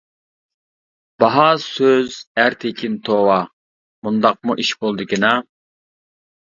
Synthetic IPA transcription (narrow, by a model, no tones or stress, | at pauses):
b̥ɑɦɑsøzæɾt̪ʰekʲint̪ʰowɑ | mund̪ɑq̚muʔiʃbolˠd̪ɨkʲinɑ